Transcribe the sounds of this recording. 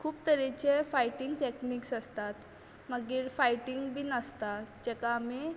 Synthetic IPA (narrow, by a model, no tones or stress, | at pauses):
kʰuːpt̪əɾit͡ɕefajʈiŋɡʈekniksəst̪at̪ | məɡiːɾfajʈiŋɡbʱiːnəst̪ad͡ʑɛkaːmi